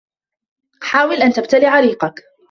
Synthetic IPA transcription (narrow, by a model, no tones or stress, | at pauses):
ħaːwɪlʔant̪ab̚t̪alɪʕaɾiːqɑk